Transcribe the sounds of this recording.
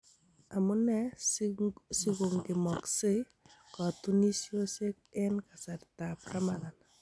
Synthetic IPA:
a˨mʊ˦nɛ˦ | si˦ɡo˨ŋɡɪ˨mɔ˨kse˦ | kɔ˨tu˦ni˦sjo˦se˦k̚ɛ˦nka˨sa˨tta˨pɾa˦ma˨ɡa˨na

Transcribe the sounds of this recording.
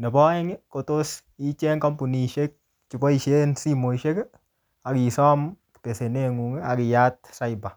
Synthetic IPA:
ne˨bɔ˦ɛ˦ŋɪ˦ko˨to˦s | i˦t͡ʃɛ˦ŋkɔ˦mpu˨ni˨ʃe˦k̚ | t͡ʃi˨bɔ˦i˨ʃe˦nsi˦mo˨i˨ʃe˦k | a˨ki˨sɔ˦mki̥te˨se˨ne˦ŋu˨ŋ˦a˨ki˨ja˦t̚sa˦ɪ˨ba˨

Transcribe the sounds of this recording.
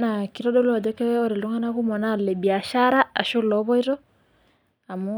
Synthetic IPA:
na˨ki˨˦ɾɔ˦ɗɔ˦lu˦a˨dɔ˦kɛ˦ɔ˦ɾi˨lɔ˦ŋa˦na˦ku˦mɔ˨na˦˨lɛ˨bi˨a˨ʃa˦ɾa˦a˨ʃo˦lɔ˨˦βɔ˦i˦ɾɔ˦ | a˨mu˦

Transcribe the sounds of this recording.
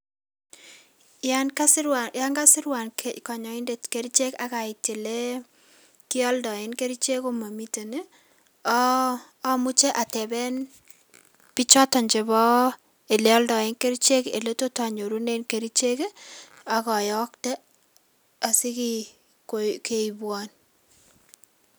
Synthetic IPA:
ja˦nka˦sɪɾwaja˦ŋɡa˦sɪ˦ɾwa˨nkka˨ɲɔ˨ɪ˦nde˨tke˦ɾit͡ʃe˦ka˦ka˨ɪ˨te˨le˦ | ki˦ɔ˦ldɔ˨ɪ˦nke˦ɾi˦t͡ʃe˦ko˦ma˨mi˦te˨ne˦ | mu˦t͡ʃe˦ʔa˨tɛ˨bɛ˦n | pi˦t͡ʃɔ˦tɔ˨ɲd͡ʒe˨bɔ˦ | e˨lɛɔ˦ldɔ˨ɪ˦nke˦ɾit͡ʃe˦kḛ˨le˦to˦ta˨ɲo˨ɾu˦ne˦nke˨ɾi˦t͡ʃe˦ke˦ | a˨kɔ˨jɔ˦ktɛ˦ | a˨si˦ki | koke˨ibwɔ˨n

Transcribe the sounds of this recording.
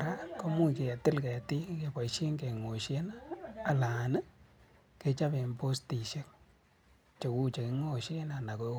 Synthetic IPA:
ɾa˦ko˦mu˦ke˨a˨tɪ˦lke˨ti˦ke˨pa˨iʃi˦ŋke˨ŋo˨ʃe˦na˦a˨la˨nə˦ | ke˨t͡ʃa˦pe˨mpo˦sti˨ʃe˦k̚ | t͡ʃo˨ku˦t͡ʃe˨ki˧ŋo˦ʃe˦na˨na˨ko˦

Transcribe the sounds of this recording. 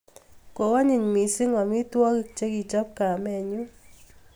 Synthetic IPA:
ko˨wa˦ɲɪ˨ɲmi˨sɪ˦ŋɔ˨mi˦t̪wɔ˦kt͡ʃe˦ɡi˨t͡ʃɔ˦p̚ka˨mɛ˨ɲu˦

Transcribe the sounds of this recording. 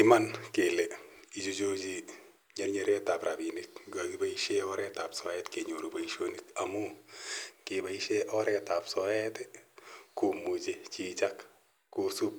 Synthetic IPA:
i˦ma˦nkelɛ˨ | i˨d͡ʒo˦d͡ʒo˦d͡ʒi˦ | ɲa˦ɾɲe˦ɾɛ˦ta˨pɾabini˨t̚ɡa˨ɡiba˦iʃeɔɾɛta˨psɔɛtke˨ɲo˨ɾo˨ba˨iʃo˦nikamu˦ | kibaiʃeʔɔɾɛta˨psɔɛ˦tɛku˨mu˨d͡ʒet͡ʃit͡ʃak | kːusu˦p̚

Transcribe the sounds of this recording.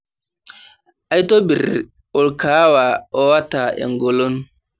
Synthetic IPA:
a˦jto˦bi˨ɾ | o˨lka˨˦wa˨ɔ˦wa˦ta˨ḛ˨ŋɡo˨lo˦n

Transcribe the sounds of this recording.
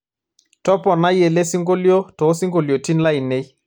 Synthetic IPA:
tɔ˦pɔ˨na˦je˨le˦si˦ŋɡo˦ljo˦tɔ˨˦si˦ŋɡo˨ljo˨ti˦nla˦i˨ne˦j

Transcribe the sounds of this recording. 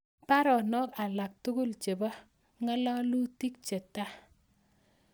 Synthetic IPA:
pa˦ɾɔ˨nɔ˦ka˨la˨k̚tu˦ɡu˦lt͡ʃe˨ba˦ | ŋa˦la˦lu˦ti˦k̚t͡ʃe˨ta˦

